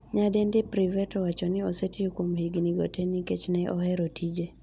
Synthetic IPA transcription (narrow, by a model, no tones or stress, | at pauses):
ɲadɛndɪpɾivɛtɔwat͡ʃɔnɪɔsetiokomhiɡniɡɔ̰tʰeniket͡ʃnɛʔɔ̰hɛɾotʰid͡ʒe